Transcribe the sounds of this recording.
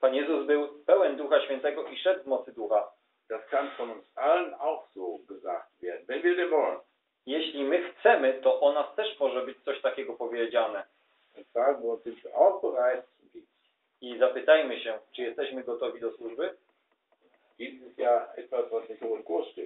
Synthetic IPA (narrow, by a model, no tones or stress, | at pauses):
panjɛzuzbɘwpɛwɛnd̪uxaɕfʲjɛnt̪ɛɡɔʔiʂɛd̪vmɔt̪sɘd̪uxa | d̪̥askanfɔnʊnsalənaʊxz̥oɡəza̰k̚t̪vʲjɛ̰d̚n̩vɛnvʲid̪ɛmɔln | jɛɕlʲimɘxt̪sɛmɘt̪ɔʔɔnast̪ɛʂmɔʐɛbɘt͡ɕt̪sɔɕt̪akʲɛɡɔpɔvʲjed͡ʑanɛ | ɛsanvɔzɪntuʔaʊxbəʁajt | i | izapɘt̪ajmɘɕɛt͡ʂɘjɛst̪ɛɕmɘɡɔt̪ɔvʲid̪ɔswuʐbɘ | d̪isɪst̪jaɛt̪vasvasnɛtʊtɡuʂtɪ